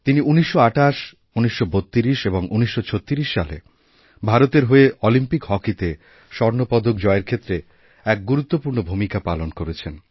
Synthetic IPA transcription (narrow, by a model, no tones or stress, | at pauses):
t̪iniʔuniʃːoaʈaʃ | uniʃːobot̪ːiɾiʃeboŋʔuniʃːot͡ɕʰot̪ːiɾiʃːa̰lḛ | bʱaɾot̪eɾɦoeʔɔlimpikɦɔkit̪e | ʃɔɾnopɔd̪ʱok̚d͡ʑɔeeɾkʰet̪ːɾe | ɛk̚ɡuɾut̪ːopuɾnobʱumikapalonkoɾet͡ɕʰen